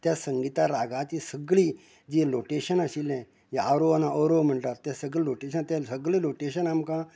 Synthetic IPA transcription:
t̪jasəŋɡit̪aɾaɡat͡ɕisəɡɭi | d͡ʑiloʈeɕənaɕilɛ̃ | jaaɾoanaɔɾom̤əɳʈat̪ːjasəɡɭiloʈeɕənt̪ãsəɡɭiloʈeɕənamkã

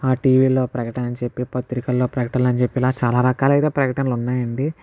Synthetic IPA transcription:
aːʈiːʋiːlo̞ːpɾɐkɐʈɐnɐnt͡ʃe̞pːipɐt̪ɾikɐlːo̞ːpɾɐkɐʈɐnlɐnt͡ʃepːilaːt͡ʃaːlaːɾɐkaːlɐjt̪eːpɾɐkɐʈɐnɐlunːaːjɐɳɖi

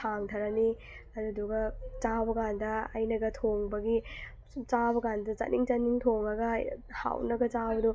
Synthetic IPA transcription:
aŋtʰɐɾɐni | ɐduduɡɐt͡ʃabɐkandɐɐ̰jnɐɡɐtʰoŋbɐɡi | t͡ʃabɐkandɐt͡ʃɐ̰nʔiŋt͡ʃɐniŋtʰoŋɐɡɐha̰wnɐɡɐt͡ʃabɐdu

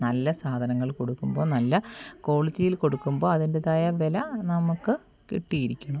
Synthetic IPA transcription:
nɐlːɐsaːd̪ʱɐnɐŋːɐɭko̞ɽukːumbo̞ːnɐlːɐko̞ːɭit͡ɕːijilko̞ɽukːumbo̞ːɐðindeðaːjɐʋe̞lɐnɐmukːɨ | kiʈːijiɾikʲːuɳu

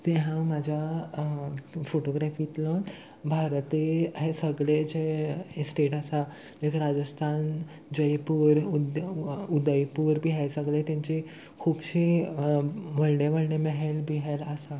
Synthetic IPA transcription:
t̪eɦãmad͡ʑʱja | foʈoɡɾɛfit̪lə̃ | bʱaɾt̪eɦesəɡɭed͡ʑesʈeʈəsa | ekɾad͡ʑəst̪ʰan | d͡ʑəjpuɾud̪ud̪əjpuːɾbʱiːɦesəɡɭet̪jãɲt͡ɕe | kʰuːbɕi | ʋəɭɖeʋəɭɽeməɦelbʱiɦɛləsa

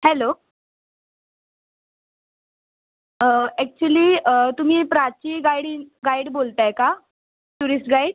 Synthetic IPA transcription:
hɛlo | ɛk̚t͡ɕuəliːt̪um̤iːpɾat͡ɕiːɡaiɽiɡaiɽbolt̪aeka | t̪uɾisʈɡaiɽ

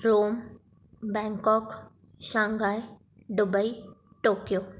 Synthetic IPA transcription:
ɾoːm | bɛ̃ŋkɔk | ʃãŋɡaj | ɖʊbəi | ʈoːkjoː

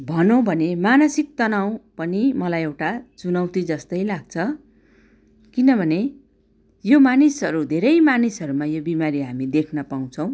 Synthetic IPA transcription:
bʱʌnõbʱʌnemanʌsik̚t̪ʌnaw̃pʌnimʌlajewʈat͡sunʌwt̪id͡zʌst̪ʌjlaɡ̚t͡sʰʌ | kinʌbʱʌne | jomanisɦʌɾud̪ʱeɾʌjmanisʌɾumajobimaɾiɦamid̪ekʰnʌpaw̃t͡sʰʌ̃w̃

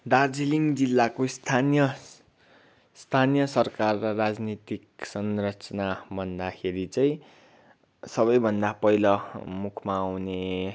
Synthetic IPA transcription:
d̪ard͡ziliŋd͡zilːakost̪ʰanjʌ | st̪ʰanijʌsʌrkarːʌrad͡znit̪iksʌnrʌt͡sʌnabʱʌnd̪akʰeɾit͡sʌĩ | sʌbʌjbʱʌnd̪apʌjlʌmukʰmaːwne

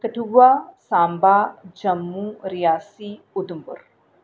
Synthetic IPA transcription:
kəʈʰuʋaːsaːmbaːd͡ʒɐmːuːɾɪjaːsiː | ʊd̪ʊmbʊ̰ɾ

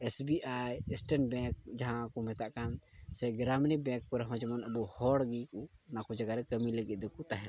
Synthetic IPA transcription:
esbiʔajɛsʈənbɛ̃kd͡ʒaɦãkɔmɛt̪aʔkansɛɡɾamnibɛ̃kkɔɾaɦɔ̃d͡ʒɛmɔnəbuhɔɽɡikunakud͡ʒaɡaɾɛkəmiləɡit̪̚ˀd̪ɛkut̪aɦɛn

